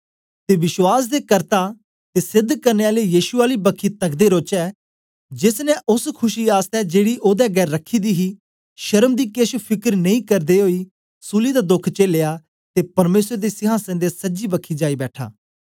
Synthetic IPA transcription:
t̪eːʋɪʃwaːs̬d̪eːkɐɾt̪a | t̪esɪd̪ʱːkɐɾneːaːlejiːʃʊaːlibəkʰːit̪ɐɡd̪eɾoːt͡ʃɛː | d͡ʒɪsnɛʔʊskʰʊʃiaːst̪ɛd͡ʒeːɽiʔoːd̪ɛɡɛːɾːəkʰːiːd̪iːɦiː | ʃɐɾəmd̪iːkeʃpʰɪkəɾnɐĩkɐɾd̪eɦoːiː | suːlid̪ad̪ʊkʰt͡ʃeːleːaː | t̪epɐɾmeːsɾd̪esɪɦãːsɛ̃nd̪esɐd͡ʒibɐkʰːid͡ʒaːibɛːʈʰa̰ː

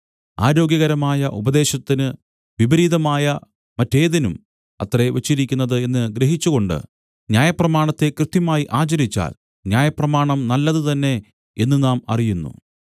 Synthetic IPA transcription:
a̰ːɾo̞ːɡʲjɐɣɐɾɐmaːjɐʔubɐd̪e̞ːɕɐt̪ːinɨ | ʋibɐɾiːðɐmaːjɐ | mɐtːe̞ːðinum | ɐ̰t̪re̞ʋet͡ɕːiɾikʲːunːɐðɨe̞nːɨɡɾe̞ɦit͡ɕːuɣo̞ɳɖɨ̰ | njaːjɐprɐmaːɳɐt̪ːe̞krɨt̪jɐmaːjiʔaːt͡ɕɐɾit͡ɕːa̰ːl | njaːjɐprɐmaːɳɐmnɐlːɐðɨt̪ɐnːe̞ | e̞nːɨnaːmɐ̰rijunːṵ

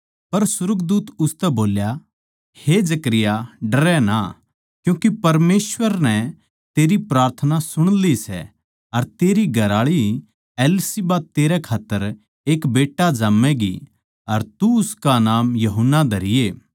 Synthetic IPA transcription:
pɐɾsʊɾəkd̪uːt̪ʊst̪ɛboːlja | hed͡ʒɐkɾɪjaɖɐɾɛna̰ | kjũːkipɐɾmeːswəɾnɛ̃ | t̪eːɾipɾaːɾt̪ʰənasʊɽ̃lisɛ̰ | ɐɾt̪eːɾiɡʱɐɾaːɭi | ɛːlsibaːt̪eːɾɛkʰaːt̪ːəɾ | eːkbeːʈːad͡ʒaːmːɛɡi | ɐɾt̪uʊskanaːmjɐɦʊnːad̪ʱɐɾɪjeː

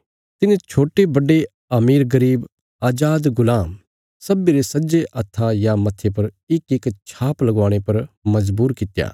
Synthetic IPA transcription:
t̪ɪnẽt͡ʃʰoːʈebɐɖe | ɐmiːɾɡɐɾiːb | aːd͡ʒaːd̪ɡʊlaːm | sɐbːiɾesɐd͡ʒeʔɐt̪ʰːajamɐt̪ʰːep̬ɐɾ | ɪkɪkt͡ʃʰaːplɐɡaːɽ̃epɐɾmɐzbuːɾkɪt̪ja̰ː

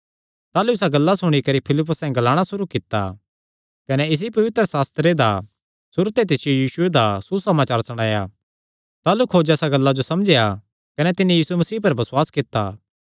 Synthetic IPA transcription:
t̪aːluɪsaɡɐlːasʊɽ̃ikɐɾipʰɪlɪp̬ːʊsɛ̃ɡɐlaːɽ̃asʊɾukɪt̪ːa̰ | kɐneɪs̬ipɐʋɪt̪ɾəsaːst̪ɾed̪a | sʊɾt̪et̪̬ɪsɪjojiːsʊed̪asusɐmaːt͡ʃaːɾsɐɽ̃aːja | t̪aːlukʰod͡ʒɛːsaɡɐlːad͡ʒosɐmd͡ʒeja | kɐnɛt̪ɪnĩjiːsumɐsiːpɐɾbɐsʊwaːskɪt̪ːa̰ː

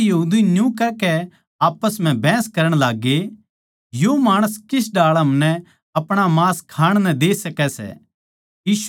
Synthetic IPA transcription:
jɐɦuːd̪injũkɛkɛ | aːpəsm̤ɛ̃bʱɛ̃ːskɐɾəɽ̃laːɡe | jomaːɽ̃əskɪs̬ɖaːɭɦɐmnɛ̃ | ɐpɽ̃amãːskʰaːɽ̃nɛ̃d̪eːsɐkɛsɛ̰ | iːʃ

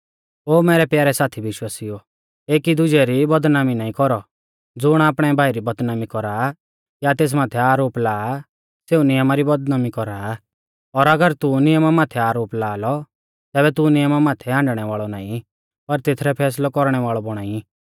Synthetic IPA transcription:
oːmɛːɾɛpjaːɾɛsaːt̪ʰibɪʃwaːsio | eːkid̪ʊd͡ʒɛɾibɐd̪naːminaːĩkɔɾɔ | d͡zʊɽ̃aːpɽ̃ɛbʱaːiɾibɐd̪naːmikɔɾaː | jat̪eːs̬maːt̪ʰɛaːɾoːplaː | seːunɪjəmaɾibɐd̪naːmikɔɾaː | ɔɾɐɡəɾt̪unɪjəmamaːt̪ʰɛaːɾoːplaːlɔ | t̪ɛːbɛt̪unɪjəmamaːt̪ʰɛãːɳɖɽ̃ɛʋaːɭɔna̰ːĩ | pɐɾt̪et̪ʰɾɛpʰɛːs̬lɔkɔɾɽ̃ɛʋaːɭɔbɔɽ̃aːĩ

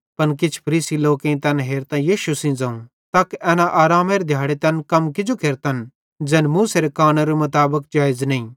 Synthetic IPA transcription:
pɐnkɪt͡ʃʰpʰɐɾiːsiloːkẽĩt̪ɛnɦeːɾt̪ãjiːʃusĩd͡zãːũ | t̪aːkeɛːnaʔaːɾaːmeːɾed̪ʱjaːɽet̪ɐnkɐmkɪd͡ʒokeːɾt̪ɐn | d͡ʒɛːnmũːseɾekaːnaɾemʊt̪aːbək̚d͡ʒaːɪznɐ̃ĩː

